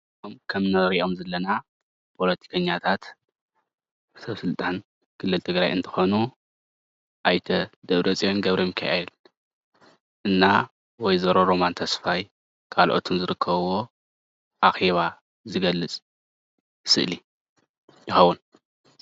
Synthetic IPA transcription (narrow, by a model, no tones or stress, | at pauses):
omkʰɐmnɨɾiʔo̞mzɐlːɐna | pʰo̞lɐt̪ʰi̥kʰɐɲːat̪ʰat̪ | sɐβsɨlt̪ʼan | kʰɨlːɨlt̪ʰɨɡɾajʔɨnt̪ʰɐ̥xo̞nu | ʔajt̪ʰɐd̪ɐβɾɐt͡sʼijonɡɐβɾʔimɨkʰa̰ʔeel | ʔɨnːa | wɔjzɐɾoɾo̞mant̪ʰɐsfaj | kʰalʔo̞̰t̪ʰunzɨɾɨkʰːɐβwo̞ | ʔaxeβa | zɨɡɐlːɨt͡sʼ | sɨʔli | jɪxɐwːun